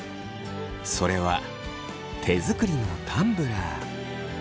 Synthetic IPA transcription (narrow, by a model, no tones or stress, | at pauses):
so̞ɾe̞βa | t̪ʰe̞zɨkɯ̟ɾʲino̞t̪ʰãmbɯ̟ɾa